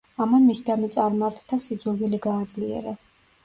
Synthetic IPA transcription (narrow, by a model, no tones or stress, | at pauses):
amanmisd̪amɛt̪sʼaɾmaɾt̪ʰd̪asid̪zulviliɡaːd̪zliɛ̰ɾa